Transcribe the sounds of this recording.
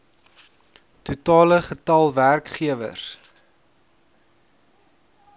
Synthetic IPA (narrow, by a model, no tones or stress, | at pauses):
tutɑːləχətɐlˠværkχiəvə̰s